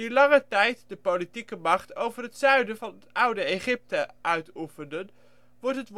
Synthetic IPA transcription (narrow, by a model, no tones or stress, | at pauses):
ylɑŋətɛjtdəpolitikəmɑχtowvərɦətsœɥdəvɑnətʌwdəeχɪp̚təʔœɥtufəndən | ʋɔɹtɦətʋ